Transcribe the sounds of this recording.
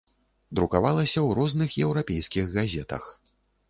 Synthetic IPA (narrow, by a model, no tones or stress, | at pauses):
d̪ɾukavalˠɐsʲɐwɾɔznɨxjɛwɾapʲejskʲiɣɣazʲɛt̪ɐ̰x